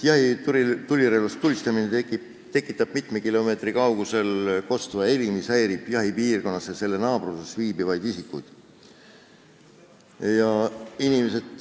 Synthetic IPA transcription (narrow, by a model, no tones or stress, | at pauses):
jɑhit̪uɾit̪ulʲiɾeːlɑst̪t̪ːulʲist̪ɑmine | t̪e̞kːˑit̪ːˑɑb̥mit̪mekilo̞me̞ːt̪rikɑwɡ̥use̞lko̞st̪vɑeɾimisæjɾib̥jɑɦipiːrɡ̥o̞nːɑsese̞lːenɑːbrusesviːbivɑjd̪isikːˑujd̪̥ | jɑinimese̞d̪̥